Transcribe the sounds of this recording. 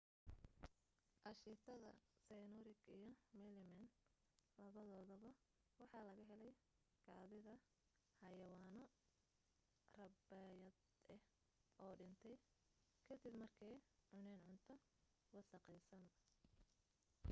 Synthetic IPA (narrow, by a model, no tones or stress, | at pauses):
ʔɑʃɪt̪ʰɐðɐ̰sɛjnɔɾɪɡijɔmɛlɪmɛn | lɐβɐðɔːðɔβɐ | wɑħɑːlɐɣɐɦɛlɛj | ɡɑːðɪðɐ | hɐjɐwaːnɔ | rɐbɛjɐ | ɛ | ʔɔːɖɪnt̪ʰɛj | kʰɐd̪ɪbmɐrkʰɛjʕʊnɛːnʕʊnt̪ʰɔ | wɑsɐqɛjsɐn